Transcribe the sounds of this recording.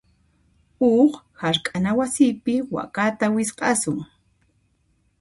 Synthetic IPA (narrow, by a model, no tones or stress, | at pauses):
oχhaɾkʼanawasiːpɪwa̰kat̪awɪsqɑsʊŋ